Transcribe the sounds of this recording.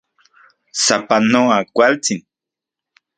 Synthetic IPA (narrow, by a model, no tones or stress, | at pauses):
sapanoakʷalt͡sɪn